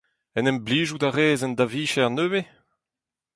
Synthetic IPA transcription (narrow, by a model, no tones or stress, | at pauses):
ɛnɛmbliːʒudaʁeːzɛnd̪aviːʃɛʁnøːve